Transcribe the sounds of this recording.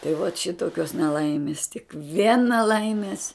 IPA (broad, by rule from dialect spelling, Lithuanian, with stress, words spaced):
tɐɪ ʋɐt ˈʃʲɪtoːkʲoːs nʲɛˈlˠɐɪmʲɪs tʲɪk ˈʋʲiɛn nʲɛˈlˠɐɪmʲeːs